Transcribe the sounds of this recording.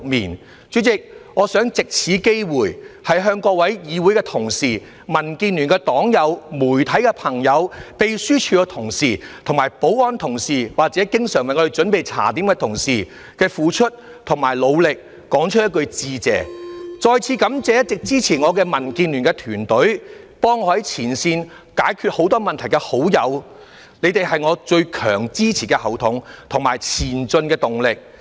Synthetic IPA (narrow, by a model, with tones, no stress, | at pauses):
k̚miː˨˩n | t͡ʃyː˨˥t͡sɪ˨k̚ŋɔː˨˧sœː˨˥ŋt͡sɪ˨k̚t͡sʰiː˨˧˥ke˥jwuː˨˩jhɐ˨jɦœː˧ŋkɔː˧wɐ˨˥jjiː˨˧wuː˨˥jkɛː˧t̪ʰʊ˨˩ŋsiː˨˩ | mɐ˨˩nkiː˧nːyː˨˩nkɛː˧t̪ɔː˨˥ŋjɐ˨˧wmuː˨˩jt̪ʰɐ˨˥jkɛː˧pʰɐ˨˩ŋjɐ˨˧wpe˨˧jsyː˥t͡ʃʰyː˧kɔ˧t̪ʰʊ˨˩ŋsiː˨˩t̪ʰʊ˨˩ŋmaː˨˩jpo˨˥wɔː˧˥nt̪ʰʊ˨˩ŋsiː˨waː˨˩k̚t͡sɛː˨˥kɪ˥ŋsœː˨˩ŋwɐ˨˧ŋːɔ˧ɾe˨˧t͡ʃɵ˨˥npe˨˩jt͡sʰa̰ː˨˩t̪iː˨˥mɐ˧t̪ʰʊ˨˩ŋsiː˨˩ | kɛː˧fuː˨˧t͡ʃʰɵ˥t̚ | t̪ʰʊ˨˩ŋmaː˨˩jlo˨˧wlɪ˨k̚ːɔː˨˥ŋt͡ʃʰɵ˥t̚jɐ˥tkɵ˧ɥt͡siː˨t͡sɛ̰ː˨˩t͡ʃɔː˨˧jt͡sʰiː˨˧kɐ˨˥mt͡sɛː˨˧jɐ˥t̚t͡sɪ˨k̚t͡siː˥t͡sʰiː˨˩ŋɔː˨˧kɛː˧mɐ˨˩nkiː˧nlyː˨˩nkɛː˧t̪ʰyː˨˩nt̪ɵ˨˥ɥpɔː˥ŋɔː˧˥hɐ˨˦jt͡sʰiː˨˩nsiː˧n | kaː˨˥jkʰy˧t̚ho˨˥wt̪ɔː˥mɐ˨nt̪ʰɐ˨˩jkɛː˧ho˨˥wjɐ˨˧w | ne˨˧jt̪e˨jɦɐ˨jŋɔː˨˧t͡ʃɵ˧ɥkʰœː˨˩ŋt͡siː˥t͡sʰiː˨˩kɛ˧hɐ˨˩wt̪ʰʊ˨˥ŋt̪ʰʊ˨ŋmaː˨˩jt͡sʰiː˨˩nt͡ʃɵ˧nkɛː˧t̪ʊ˨ŋlɪ˨k̚